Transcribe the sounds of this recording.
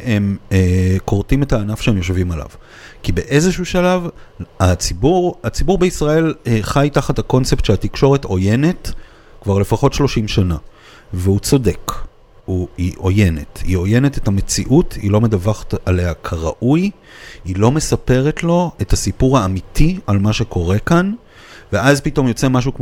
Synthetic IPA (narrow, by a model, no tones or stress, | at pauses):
em | koʁtimethaːnafʃeemjo̞ʃvimala̰v | kibe̞ʔe̞zeʃuʃalavat͡sibuʁat͡sibuʁbeisʁae̞lχajtaχathako̞nt͡se̞ptʃeatikʃo̞ʁeto̞je̞ne̞t | kvaʁle̞faχo̞tʃlo̞ʃimʃana | veut͡so̞de̞k | huiʔo̞je̞ne̞thio̞je̞ne̞tetame̞t͡siʔutilo̞medavaχḁtaleakʰaʁa̰ʔuj | ilo̞me̞sape̞ʁe̞tlo̞ethasipuʁhaːmitʰialmaʃe̞ko̞ʁe̞kan | ve̞ʔazpito̞mjo̞t͡se̞maʃ̬ukm